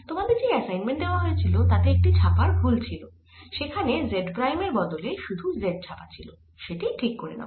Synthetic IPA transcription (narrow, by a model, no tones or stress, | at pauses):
t̪omad̪eɾd͡ʑeɛsajnmeɳʈ̚d̪eoaɦoet͡ɕʰilot̪at̪eek̚ʈit͡ɕʰapaɾbʱult͡ɕʰilo | ʃekʰanezeɖpɾajmeɾbɔd̪oleʃud̪ʱuzeɖ̚t͡ɕʰapat͡ɕʰilo | ʃeʈiʈʰikːoɾḛna̰